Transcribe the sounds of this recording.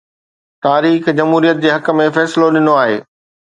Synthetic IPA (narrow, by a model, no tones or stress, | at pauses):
t̪aːɾiːxd͡ʑɐmɦuːɾijət̪̚d͡ʑeːɦɐkə̆mẽfɛːsɪloɗɪnoaːɦḛː